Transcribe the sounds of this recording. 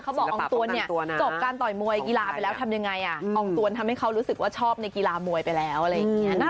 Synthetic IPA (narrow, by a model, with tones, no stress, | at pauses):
kʰa˦˥wbɔː˨kʔːŋt̪u˧ənːi˥˩ɐ˧t͡ɕo˨˩p̚kaː˧nt̪ɔ˨˩jmu˧əjki˧laː˧pa˧jlɛː˦˥wt̪ʰa˧mja˧ŋːa˧jʔa˨˩ʔɔː˧˩ŋt̪u˧ənt̪ʰa˧mha˥˩jkʰa˦˥wɾuː˦˥sɯ˨˩k̚waː˥˩t͡ɕʰɔː˥˩p̚na˧jki˧laː˧mu˧əjpa˧jlɛː˦˥wʔa˨˩ɾa˧jːa˩ŋi˦˥naː˥˩